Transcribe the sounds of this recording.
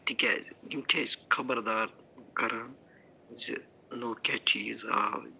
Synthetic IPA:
t̪ikɛ̰zɡimʈʰeskʰɐbəɾd̪aːɾkɐɾan | zi | noːkʲɛt͡ʃiːza̰ː

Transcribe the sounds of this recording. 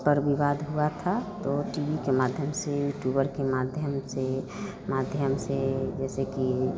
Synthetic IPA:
pəɾbiʋaːd̪ɦuat̪ʰat̪oʈibikemaːd̪ʱjəmsejuʈubəɾkemad̪ʱjəmse | mad̪ʱjəmsed͡ʒɛːseki

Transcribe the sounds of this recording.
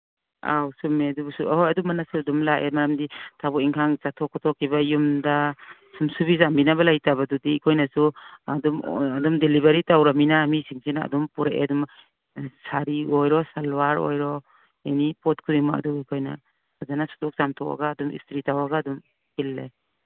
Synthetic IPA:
a̰wsumːedubsuɔjadumanasuadumlaʔemajamditʰabɔiŋkʰaŋzatʰɔkʰːɔtʰɔkʰibajumda | sumsubizambinabalajtabadudiikʰojnasuadumadumdelibaɾitawɾaminamisiŋsina̰ːdɔmpuɾaʔḛdum | saɾiojɾɔsalwaɾo̰jɾɔ | enipɔt̚kʰudimaa̰duikʰojna̰ | azanasu̥dɔk̚z̥amtʰɔka̰ɡaːdumḭstɾitawaɡaːdum | kilːaj

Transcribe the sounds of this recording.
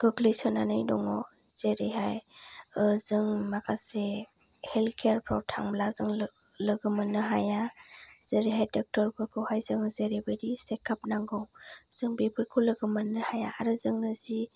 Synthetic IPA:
ɡ̥ɯɡlɯjsɯnanɯjdɔŋɔ | z̥eɾeɦajɯzɯŋmakʰase | helkʰeaɾpʰɾɔwtʰaŋmlazɯŋ | lɯɡɯmɯnɯɦajaz̥eɾiɦajdɔk̚tɔɾbʰɯɾkʰɯwhajzɯŋzeɾebɯɾisekʰap̚naŋɡɯwz̥ɯŋbepʰɯɾkʰulɯɡɯmɯnɯhajaːɾɯzɯŋnɯzi

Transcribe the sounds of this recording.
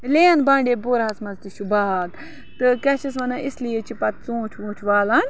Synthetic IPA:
leːnbãːɳɖʲeboːɾɦɐsmɐzt̪iʃubaːt̪ | t̪ɨkɐʃis̬ʋɐnaislijet͡ʃipɐt̪̚t͡sũːt͡ʃʰʋũːt͡ʃʰʋaːlɐn

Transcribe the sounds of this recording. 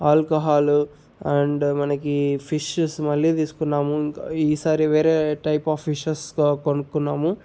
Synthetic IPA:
aːlkɐɦaːlu | ɐɳɖmɐnɐkipʰiʃɐsmɐlːiːt̪̬iːsu̥kunːaːmuiŋkːiːsaːɾiʋeːɾeːʈɐjpaːpʰːiʃɐskkonukːunːaːmu

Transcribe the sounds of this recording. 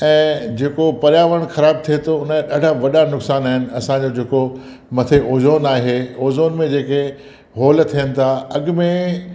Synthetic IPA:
ɛ̃ːd͡ʑeːkopɐɾjaːʋəɽ̃xɐɾaːb̚t̪ʰiet̪ʰoʊnəɗaːɖ̤ʱaʋɐɗanʊksaːnaːɦɪnɪ̆ɐsãd͡ʑod͡ʑeːko | mɐt̪ʰeʔoːzoːnaːɦeoːzoːnmẽd͡ʑeːke | ɦoːlt̪ʰijənɪ̆t̪ʰaɐɠʊmẽ

